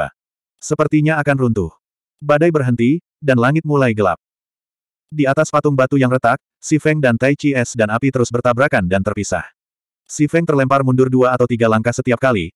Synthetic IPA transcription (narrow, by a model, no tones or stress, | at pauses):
səpərt̪iɲaːkanrunt̪ʊh | badajbərɦənt̪i | danlaŋɪt̪̚mulajɡəla̰p̚ | diat̪aspat̪ʊŋbat̪ujaŋrət̪ak̚ | sifɛŋdant̪ajt͡ʃiɛsdanapit̪əɾʊsbərt̪abɾakandant̪ərpisa̰h | sifɛŋt̪ərlɛmparmundʊrduaːt̪awt̪iɡalaŋkasət̪iap̚kali